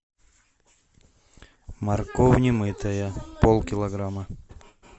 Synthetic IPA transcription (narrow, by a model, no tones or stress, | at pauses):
mɐrkovnʲɪmɨt̪ɐjəpolˠkʲɪlˠɐɡɾamə